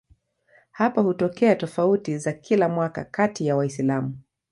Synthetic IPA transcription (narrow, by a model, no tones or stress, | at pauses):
hapahutɔkɛatɔfautizakʰilamwaka̰katijawaislamu